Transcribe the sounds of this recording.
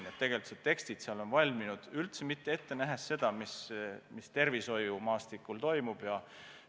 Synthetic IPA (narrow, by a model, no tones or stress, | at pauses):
net̪ːe̞ɡ̥e̞lit̪ːset̪ːe̞kst̪id̪̥seɑlo̞nvɑlʲminud̪̥ylt̪semit̪ːee̞t̪ːe̞næɦesːe̞d̪̥ɑmismist̪e̞rviso̞jumɑːst̪ikːˑult̪o̞jmub̥jɑ